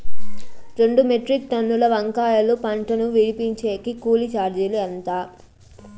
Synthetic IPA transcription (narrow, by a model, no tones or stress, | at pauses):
ɾe̞ɳɖumeʈɾik̚t̪ɐnːulɐʋɐŋkaːjɐlupɐɳʈɐnuʋiɽipiɲt͡ʃeːkikuːlit͡ʃaːɾd͡ʒiliɐnt̪aː